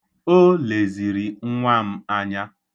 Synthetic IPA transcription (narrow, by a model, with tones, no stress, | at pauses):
o˦le˨zi˨ɾi˨ŋ̩˦ŋʷa˦m̩˦a˦ɲa˦